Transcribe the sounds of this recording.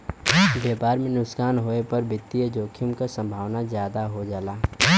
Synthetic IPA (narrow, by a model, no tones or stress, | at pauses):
ʋeːpaːɾmẽnʊskaːnɦoːepɐɾbɪt̪ːijəd͡ʒoːkʰʊmkasə̃mbʱaːʋnazjaːd̪aɦod͡ʒaːlaː